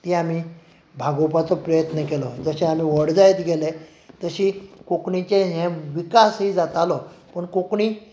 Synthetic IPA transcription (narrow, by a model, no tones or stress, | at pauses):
t̪iam̤iː | bʱaɡopat͡sɔpɾəjət̪nəkelɔd͡zəɕɛam̤iːʋəɽd͡zajt̪ɡʱele | t̪əɕikokɳit͡ɕeɦɛ̃ʋikasɦid͡zat̪alɔpəɳkokɳi